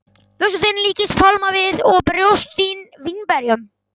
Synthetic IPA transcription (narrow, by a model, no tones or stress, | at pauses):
θwœs̬ʏθenliːcɪst̪fʰalmavɪðɔɣpɾjowst̪invinpɛɾjʏm